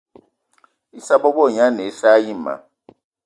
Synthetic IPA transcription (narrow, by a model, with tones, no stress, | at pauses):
i˦sa˦bɔ˦bɔ˦˨ɲa˦ne˨˦sa˦ji˦˨ma̰˨